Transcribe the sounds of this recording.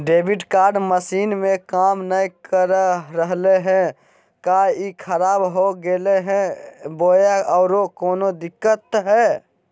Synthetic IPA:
ɖeːbɪʈkaːɾɖməsiːnmẽkaːmnəikəɾɾəɦleɦɛ̃ | kaikʰəɾaːbɦoɡeleɦɛ̃boːjaɔːɾokoːnod̪ɪkːət̪ɦɛ

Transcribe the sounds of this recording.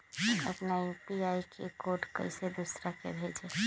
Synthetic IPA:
ə̰pnapiaikʰekoʈkə̰ɪsed̪usɾakḛbʱed͡ʒe

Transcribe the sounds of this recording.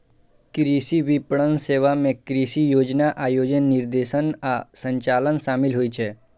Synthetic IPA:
kɾisiʋipɽənseʋamẽkɾisijod͡ʒnaʔajod͡ʒənːiɾd̪eʃənasəɲt͡ɕalənsamilɦojt͡ɕʰe

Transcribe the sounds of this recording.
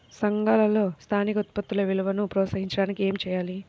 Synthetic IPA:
sɐŋɡaːlɐlo̞ːst̪ʰaːnikɐɔt̪̚pɐt̪ːulɐʋiluʋɐnupɾɔːsɐɦiɲt͡ʃɐɽaːnikie̞ːmt͡ʃɛːjaːli

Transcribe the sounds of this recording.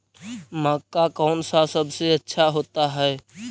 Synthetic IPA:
makːakɔːnsasəbʱseətːʃʰaɦoːt̪aɦɛɛ

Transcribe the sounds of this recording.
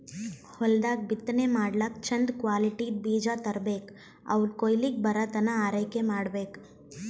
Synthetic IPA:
hɔld̪aːk̚bit̪ːnemaːɽlak̚t͡ʃʰɐnd̪kʋaːliʈid̪̚biːd͡ʒat̪ɐɾbeːk | ɐ̰ʋlkoːjlik̚bɐɾat̪ɐnaaːɾəjkemaːɽbeːk

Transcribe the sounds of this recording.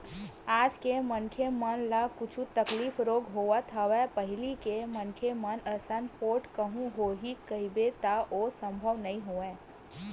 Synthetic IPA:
aːd͡ʒkemənkʰemənlakʊt͡ʃʰũt̪ɐkliːfɾoːɡɦoːat̪ʰaʋɛpəɦɪlikemənkʰemənəsənpoːʈkəɦũɦoɦikəibet̪aʔoːsə̃mbʱəʋnɐĩɦoːẽː

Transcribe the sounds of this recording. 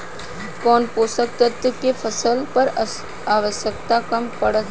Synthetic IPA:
kɔːnpoːsək̚t̪ət̪əkefʰəsəlpɐɾ | aːʋəʃjəkt̪akɐmpɐɽət̪

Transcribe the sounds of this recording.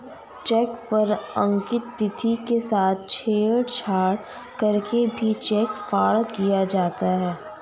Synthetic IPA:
t͡ʃɛːkpɐɾə̃ŋkɪt̪ːɪt̪ʰikesaːt̪̚ʰt͡ʃʰeːəɽt͡ʃʰaːɽ | kɐɾkebʱit͡ʃɛːkfaːɭkijad͡ʒaːt̪aɦɛː

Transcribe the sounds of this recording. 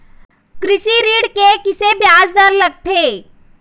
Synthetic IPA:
kɾɪʃiɾiːɽkekɪsebjaːd͡ʒd̪əɾlɐɡ̚t̪ʰeː

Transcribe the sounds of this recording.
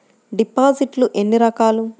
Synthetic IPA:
ɖipːaːziʈluʔenːiɾɐkaːlu

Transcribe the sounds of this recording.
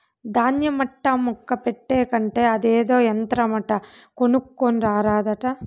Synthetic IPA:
d̪aːnjɐmɐʈːɐmːukːɐpeʈːeːkɐɳʈeɐd̪eːd̪oːɐnt̪ɾɐmɐʈːɐkonukːoɳɾaːɾaːd̪ɐʈɐ

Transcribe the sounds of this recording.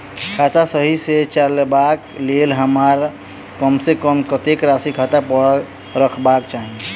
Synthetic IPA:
kʰat̪asəɦiset͡ʃalbaklelɦəmaɾ | kəmsekəmkət̪ekɾasikʰat̪apəɽ | ɾəkʰbakt͡ʃaːɦie

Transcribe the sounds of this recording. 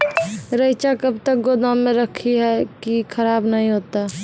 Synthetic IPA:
ɾəɪt͡ʃakəbt̪ək̚ɡod̪ãmẽɾəkʰiɦɛkikʰəɾaːbnəɦĩɦoːt̪a

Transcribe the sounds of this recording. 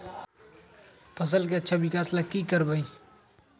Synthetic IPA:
pʰəs̬əlkeətːʃʰabʱikaːslakikəɾbai

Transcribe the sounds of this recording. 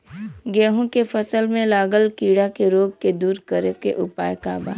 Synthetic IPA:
ɡɛːɦõkefɐsəlmẽlaːɡəlkiːɽakeɾoːɡ̚ked̪uːɾkəɾekeʔʊpaːjka̰ːba̰ː

